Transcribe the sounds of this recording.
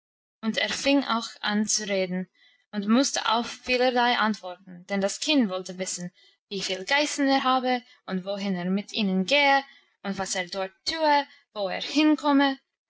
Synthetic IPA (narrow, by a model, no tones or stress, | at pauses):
ʊnteːʁfɪŋa̰ʊxa̰nt͡suʁeːdn̩ | ʊntmʊstə̰ʔa̰ʊffiːləɾlaɪʔantv̥ɔɾtn̩d̥ɛndaskʰɪndvɔltəvɪsn̩ | viːfiːlɡaɪsn̩eːɾɦaːbə | ʊntvoɦɪneːʁmɪtʰiːnənɡeːə | ʊntv̥aseːʁdɔɹttʰuːə | voːḛːɹhɪnkʰɔmə